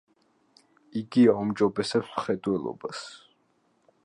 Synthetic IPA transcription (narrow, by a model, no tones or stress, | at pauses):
iɡiaumd͡ʒɔbɛsɛpsmχɛd̪wɛlˠɔ̰ba̰s